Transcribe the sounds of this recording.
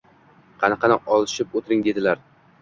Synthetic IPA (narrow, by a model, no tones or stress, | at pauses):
qʰɑnɑqʰɑnɪʔɒlˠɪʃɪpot̪ʰɪɾɪŋd̪e̞d̪ɪlaɾ